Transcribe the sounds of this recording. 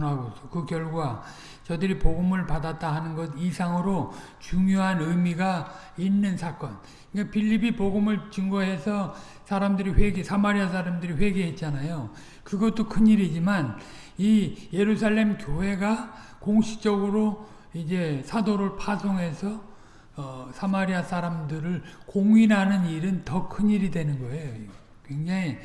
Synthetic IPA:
nɦaɡosʰʌkɯkjʌɭɡwa | t͡ɕʌdɯɾipoɡɯmɯɭpadat̚t͈aɦanɯnɡʌdisʰaŋɯɾo | t͡ɕuŋjoɦanɯmiɡa | inːɯnsʰak͈ʌn | kapiʎːibipoɡɯmɯɭt͡ɕɯŋɡʌɦe̞sʰʌ | sʰaɾamdɯɾiɸwe̞ɡesʰamaɾiasʰaɾamdɯɾiɸwe̞ɡeɦe̞t̚t͡ɕ͈anajo | kɯɡʌt͈okʰɯɲiɾid͡ʑiman | ije̞ɾusʰaɭːe̞mkjoɦe̞ɡa | koŋɕʰi̥t͡ɕ͈ʌɡɯɾo | id͡ʑe̞sʰadoɾɯɭpʰasʰoŋɦe̞sʰʌ | ʌsʰamaɾiasʰaɾamdɯɾɯɭkoŋɥinɦanɯniɾɯntʌkʰɯɲiɾidwe̞nɯnɡʌe̞jo | kwe̞ŋd͡ʑaŋi

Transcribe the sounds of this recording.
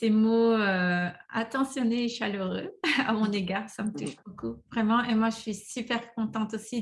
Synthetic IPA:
semoøa̰t̪ɑ̃sjɔneːʃaløʁøa̰mɔ̃neɡaʁsamət̪uʃbokuvʁɛmɑ̃ʔemwaʒəsɥisypɛʁkɔ̃t̪ɑ̃t̪osi

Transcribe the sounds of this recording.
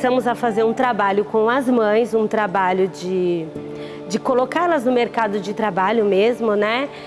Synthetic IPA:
sɐ̃mʊzɐfazeɾũt̪ɾabaʎʊkõw̃ɐzmɐ̃j̃zũt̪ɾabaʎʊd͡ʒɪ | d͡ʒɪkolokalɐznʊmeɾkad̪ʊd͡ʒɪt̪ɾabaʎʊmezmʊnɛ

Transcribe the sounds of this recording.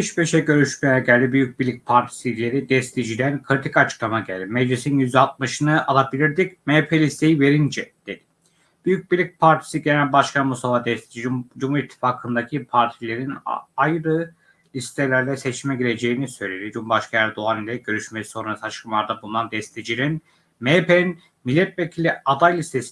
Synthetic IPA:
biʃbeʃɛɟø̞ɾyʃmejɛɟælʲd̪ibyjyc̚bilʲːic̚pʰaɾt̪ʰi̥silʲe̞ɾid̪ɛst̪ʰid͡ʒid̪ænkʰɯɾit̪ʰikat͡ʃʰɯ̥klˠamaɟælʲd̪imɛd͡ʒlʲisinjyzd̪ɛalt̪̚mɯʃɯnɯʔalˠabilʲiɾd̪icmepʰelʲist̪ʰe̞jive̞ɾind͡ʒɛd̪̥ed̪̥i̥ | b̥yjyc̚bilʲic̚pʰaɾt̪ʰi̥siɟelʲænbaʃkʰanmust̪ʰafad̪ɛst̪ʰid͡ʒid͡ʒumhuɾit̪ʰːi̥faːkʰɯnd̪acʰipʰaɾt̪ʰilʲe̞ɾinajɾɯ | lʲist̪ʰelʲæɾlʲɛsɛt͡ʃʰimɛɟiɾe̞d͡ʒe̞jinisø̞jlʲe̞d̪id͡ʒumbaʃkʰajæɾd̪oanilʲɛɟ̥ø̞ɾyʃmesi̥so̞nɾasat͡ʃkʰɯmlˠaɾd̪abulˠunand̪ɛst̪ʰed͡ʒiɾin | mepein | milʲːɛt̪̚vecʰilʲiad̪ajlʲist̪ʰes

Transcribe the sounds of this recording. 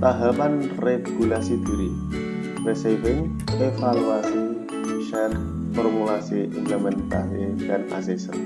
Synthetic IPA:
t̪aɦapanreɡulasid̪iɾi | resivɪŋ | efaluasi | miʃan | fɔrmulasiʔɪ̰ɲəmənt̪aɦikana̰sisə̰n

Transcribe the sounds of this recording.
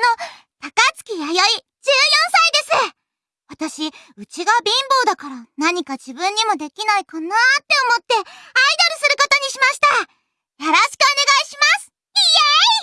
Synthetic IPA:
no̞ | t̪akat͡sɨ̥kʲijajoi | d͡ʑɨːjõ̞ɰ̃said̪e̞sɨ | βat̪aɕi | ɯ̟t͡ɕiɡabʲĩmbo̞ːd̪akaɾanaɲ̟ikad͡ʑibɯ̟̃ɲ̟ːimo̞d̪e̞kʲinaikanat̪ːe̞omo̞t̪ːe̞aid̪oɾɯ̟sɨɾɯ̟ko̞t̪o̞ɲ̟iɕimaɕi̥t̪a | jo̞ɾoɕi̥kɯ̟o̞ne̞ɡaiɕimasɨ̥ | ijai

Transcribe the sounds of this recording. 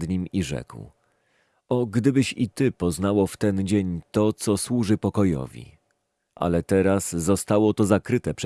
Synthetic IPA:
d̪ɲimiʐɛ̰kw | ɔɡd̪ɘbɘɕit̪ɘpɔznawɔft̪ɛnd͡ʑeɲt̪ɔt̪sɔswuʐɘpɔkɔjɔ̰vʲḭ | ʔa̰lɛt̪ɛɾasːɔst̪awɔt̪ɔzakɾɘt̪ɛpʂ

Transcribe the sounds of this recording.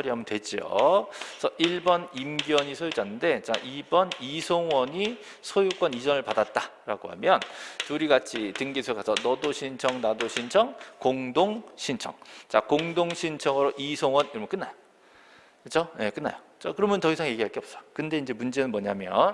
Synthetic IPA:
ʌɾiɦamʌntwe̞d͡ʑio̰sʰʌʔiɭbʌnimɡjʌɲisʰojud͡ʑanːɯnde̞t͡ɕaʔibʌnisʰoŋwʌɲi | sʰojuk͈wʌnid͡ʑʌnɯɭpadat̚t͈aɾa̰ɡoɦa̰mjʌntuɾiɡat͡ɕʰitɯŋɡisʰokasʰʌnʌdoɕʰint͡ɕʰʌŋnadoɕʰint͡ɕʰʌŋkoŋdoŋɕʰint͡ɕʰʌŋt͡ɕakoŋdoŋɕʰint͡ɕʰʌŋɯɾoʔisʰoŋwʌniɾʌmɯk͈ɯnːajo | kɯt͡ɕʰoje̞k͈ɯnːa̰jo | t͡ɕakɯɾʌmjʌnt͡ɕʌɡisʰaŋje̞ɡiɦaɭk͈eʌps͈ʌ̥jokɯnde̞ind͡ʑe̞mund͡ʑe̞nɯnmwʌɲamjʌn

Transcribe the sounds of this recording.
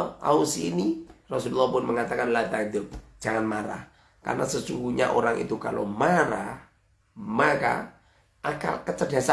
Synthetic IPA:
a̰usiinirɔsululːɔhpʊnməŋat̪akanlat̪ad̪ʊ̥d͡ʒ̥aŋanmaɾa̰h | ka̰rnasəsuŋɡuɲa̰ʔoɾaŋʔḭt̪ukalo̰maɾa | maka̰ | ʔaka̰kət͡ʃədasa

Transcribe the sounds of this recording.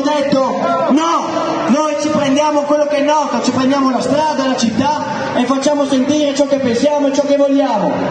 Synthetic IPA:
d̪et̪ːo | nɔ | nojt͡ʃipɾend̪jaːmokwelːokɛnːɔːt̪at͡ʃipɾend̪jaːmolast̪ɾaːd̪alat͡ʃit̪ːa | efːat͡ʃːaːmosent̪iːɾet͡ʃɔkːepːensjaːmoet͡ʃɔkːevolːaːmo̰

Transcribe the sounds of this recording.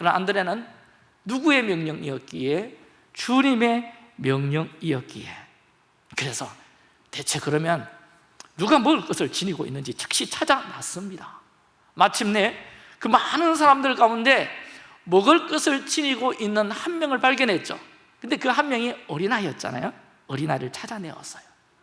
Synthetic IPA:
kɯɾʌnʔa̰ndɯɾenɯnː | uɡue̞mjʌŋɲʌŋijʌk̚k͈ie̞ | t͡ɕuɲime̞ | mjʌŋɲʌŋijʌk͈ḭe̞ | kɯɾe̞sʰʌ | te̞t͡ɕʰe̞kɯɾʌmjʌnː | uɡamʌɡɯɭk͈ɯsʰɯɭt͡ɕiɲiɡoḭnːɯnd͡ʑit͡ɕʰɯ̥k̚ɕ͈it͡ɕʰad͡ʑana̰s͈ɯmɲida | mat͡ɕʰimne̞ | kɯmanɯns̬ʰaɾamdɯɭkaunde̞ | mʌɡɯɭk͈ɯsʰɯɭt͡ɕiɲiɡoʔinːɯnhanmjʌŋɯɭpaɭɡjʌnɦe̞t̚t͡ɕ͈o̰ | kɯnde̞kɯɦanmjʌŋiʌɾinaiʌt̚t͡ɕ͈a̰na̰jo | ʌɾinaiɾɯɭt͡ɕʰad͡ʑane̞̰wʌ̰s͈ʌjo̥

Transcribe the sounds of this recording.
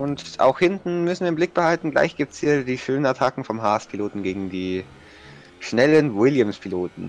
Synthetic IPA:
ʔʊntʔa̰ʊxhɪntn̩mʏsn̩viɐɪmblɪk̚b̥əhaltn̩ɡla̰ɪçɡ̥iːp̚tshiːɐdiːʃøːnənaɐtʰakŋ̩fɔmɦaːɛspʰiloːtn̩ɡeːɡŋ̩diː | ʃnɛlənwɪljəmspʰiloːtn̩

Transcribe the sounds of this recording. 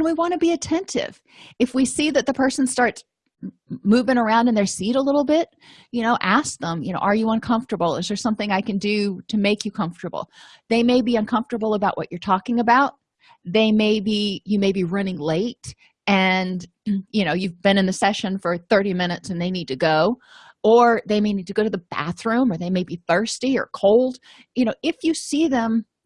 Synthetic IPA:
nwiwɑ̃ɾɨbiɨtʰɛ̃ntʰɪ̰v̥ | ɨfwisiðɨt̪̚ðɨpʰɜ˞sn̩z̥stɑɹts | muvɪ̃ŋə˞ãʊ̃ndɨ̃nðə˞siɾəlɪɾl̩ˠbɪt̚jɨñoʊʔæsk̚ðə̃mjɨnoʊʔə˞jɨʌ̃nkʰʌ̃ɱftə˞bl̩ˠɪzðə˞sʌ̃mθɪ̃ŋaɪkɨ̃ndɨɾɨmeɪkʰjɨkʰʌ̃ɱftə˞bl̩ˠ | ðeɪmeɪbiʌ̃nkʰʌ̃ɱftə˞bl̩ˠəbaʊʔwʌ̰t͡ʃə˞tʰɔkɪ̃ŋɨbaʊt̪̚ | ðeɪmeɪbijɨmeɪbiɹʌnɪ̃ŋleɪt̚ | ɨ̃n | jɨñoʊjʉvbɨ̃ñɨ̃nðɨsɛʃɨ̃nfə˞θɜ˞ɾimɪ̃nɨtsɨ̃nðeɪnid̚tʰɨɡoʊ | ə˞ðeɪmeɪnid̚tɨɡoʊɾɨðəb̥æ̰θɹʉ̃mə˞ðeɪmeɪbiθɜ˞stiə̰˞kʰoʊlˠd̥ | jɨnoʊʔɪfjɨsiðɨ̃m

